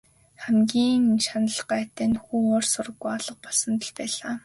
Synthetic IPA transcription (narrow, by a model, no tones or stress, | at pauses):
χæmɡʲiːŋʃanə̆ɮɢæːt̪æːnxuːoːrsʊɾə̆ɣːujɔɮə̆q̚pɔɮsə̆nt̪ə̆ɮpæːɮaː